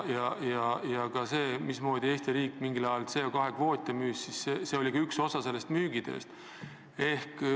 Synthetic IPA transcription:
jɑjɑjɑkɑse̞ːmismo̞ːd̪̥ʲie̞ːst̪iɾiːkːˑmiŋɡilɑjɑlt̪seokɑɦe̞kvo̞ːt̪ʲːˑemyːssisːese̞ːo̞lʲikɑykso̞sɑse̞lːe̞st̪myːɡ̥id̪̥e̞̰st̪ | e̞hk

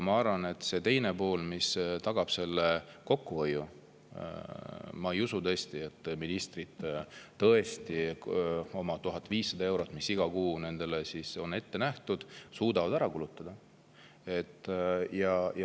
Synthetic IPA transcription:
mɑɑrvɑne̞t̪ːˑse̞t̪e̞jne̞po̞ːlmist̪ɑɡ̥ɑb̥se̞lːe̞ko̞kːuvojːṵ | mɑejusut̪ɤ̞est̪ie̞t̪ːˑminist̪rid̪̥t̪ɤe̞st̪i | o̞mɑt̪uɦɑt̪ːˑviːsːɑd̪ɑe̞wɾo̞t̪ːˑmisːiɡ̥ɑkuːne̞nd̪̥e̞lesiso̞ne̞t̪ːe̞næht̪ud̪̥suːd̪ɑvɑd̪æɾɑkulut̪ːˑɑd̪̥ɑ | e̞t̪ːˑjɑj

